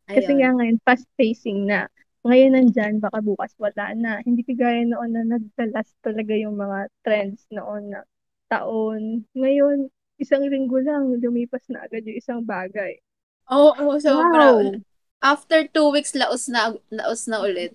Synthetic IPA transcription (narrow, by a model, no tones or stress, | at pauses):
ɐkɐɛŋaŋɐjonfast̪̚fejsɪŋnɐ̰ | ŋɐjo̞nːɐnd͡ʒanbaːkabuːkɐswɐla̰ːnɐhɪnd̪iːkɐɡaːjɐnoʔo̞nːɐnɐɡ̚t̪ɐlast̪ɐlɐɡajʊŋmɐŋat̪ɾɛnd̪snoʔo̞nːɐ | t̪ɐ̰ʔo̞nŋɐjo̞n | ʔɪsaŋlɪŋɡolaŋlʊmiːpɐsnɐ̰ʔɐɡad̪̚jʊŋʔɪsaŋbaːɡɐj | ʔoːʔosowaw | ʔaft̪ɛɹt̪uwikslɐʔosnɐlɐ̰ʔosnɐʔʊlɛt̪̚